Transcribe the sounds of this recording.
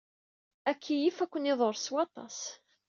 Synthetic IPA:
ækʰːijifækʷːəniðˤoɾˤswɑt̪ˤɑ̰s

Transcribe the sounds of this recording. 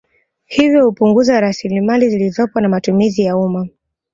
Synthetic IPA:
hivjɔhupuŋɡuzaɾasilimalizilizɔpwanamatumizijauma

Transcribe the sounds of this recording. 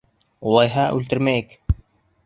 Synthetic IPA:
ulˠɑjɦɑʔʉlt̪ɘ̆ɾmæjɘk

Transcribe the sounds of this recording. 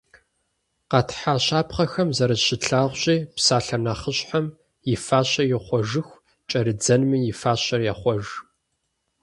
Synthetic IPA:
qɑtʰħaɕaːpχɐxɐmzɐɾɐɕɪɬʰaːʁʷɕʼiːpsaːɬɐnɐχəɕħam | jɪfaːɕɐjɪχʷɔʒɨxʷ | t͡ʃʼɐɾɨd͡zɐnmijɪfaːɕɐrjaχʷɔʒ

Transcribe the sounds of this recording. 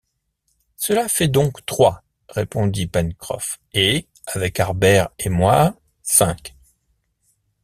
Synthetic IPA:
səlafɛd̪ɔ̃kt̪χwa | ʁepɔ̃d̪ipɛnkχɔ̰f | e | avɛkaʁbɛʁemwa | sɛ̃k

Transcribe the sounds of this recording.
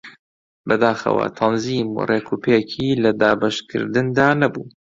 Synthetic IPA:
bɐd̪aːxɐ̰wɐ̰t̪ʰɐnzimṵreːkʰupʰecʰiːlɐd̪aːbɐʃkʰɨ̰ɾd̪ɨnd̪aːnɐbuː

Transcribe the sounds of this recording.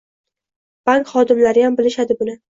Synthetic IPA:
b̥aŋkχɒd̪ɪmlaɾɪjambɪlɪʃad̪ɪbʊnɪ

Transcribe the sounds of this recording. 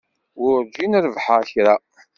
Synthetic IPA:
wʊɾd͡ʒinəɾvħaçɾa

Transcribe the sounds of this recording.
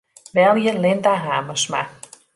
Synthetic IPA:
ʋɛlˠjəlɪndaɦaːməsma̰

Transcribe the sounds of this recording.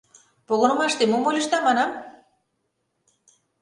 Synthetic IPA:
poɣonɤ̆mɑʃt̪emomolʲeʃt̪ɑmɑnɑm

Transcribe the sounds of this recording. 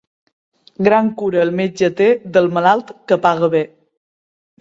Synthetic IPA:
ɡɾaŋkuɾəlˠmed͡ʒət̪eðəlˠməlalˠt̪kəpaɣəβe

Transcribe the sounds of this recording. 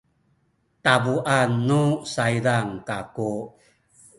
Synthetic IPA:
tabuʔanːusaidaŋkaku

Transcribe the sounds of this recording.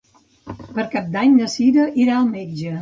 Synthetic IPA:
pəɾkap̚d̪aɲnəsiɾəʔiɾaəlˠmed͡ʒə

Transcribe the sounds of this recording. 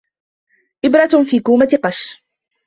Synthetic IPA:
ʔɪbɾˤɑfiːkuːmat̪qɑʃ

